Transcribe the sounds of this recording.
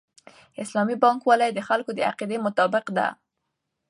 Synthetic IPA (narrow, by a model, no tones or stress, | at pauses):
ɪslɑmibɑŋkwalɑjd̪əxalkod̪əa̰qid̪emʊt̪ɑbɪqd̪a̰